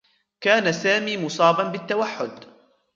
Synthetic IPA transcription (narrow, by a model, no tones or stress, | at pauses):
kaːnasaːmiːmʊsˤɑːbɑnbɪt̪ːawaħːʊd̪